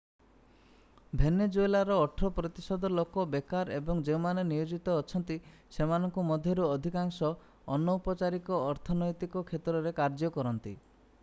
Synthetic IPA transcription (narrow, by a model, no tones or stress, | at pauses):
bʱened͡ʒojlaɾɔːʈʰɾɔpɾɔt̪isɔd̪ʱɔlokɔbekaɾebɔŋd͡ʒemanenijod͡ʒit̪ɔːt͡ʃʰɔnt̪isemanɔŋkumɔd̪ʱjɔɾuɔd̪ʱikaŋsɔː | nːɔupɔt͡ʃaɾikɔːɾt̪ʰɔnɔjt̪ikɔkʰet̪ɾɔɾekaɾd͡ʒɔkɔɾɔnt̪ḭ